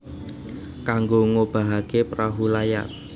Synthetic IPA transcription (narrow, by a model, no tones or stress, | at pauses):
kaŋɡoŋob̥a̤ɦakepɾaɦulaja̰t̪̚